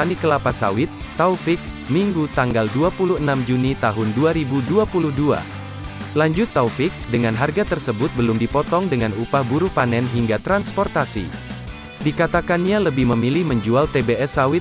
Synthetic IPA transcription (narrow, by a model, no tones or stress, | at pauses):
anikəlapasa̰wɪt̪ːafɪk̚ | miŋɡut̪aŋɡalduapuluhənamd͡ʒunit̪aɦʊnduaɾibuduapuluhdua̰ | laɲd͡ʒʊt̪ːaufɪk̚dəŋanɦarɡat̪ərsəbʊt̪̚bəlʊmdipɔt̪ɔŋdəŋanupahbuɾupanɛnɦiŋɡat̪ɾanspɔrt̪asḭ | dikat̪akanɲaləbɪhməmilɪhməɲd͡ʒualt̪ebeɛsawɪt̪̚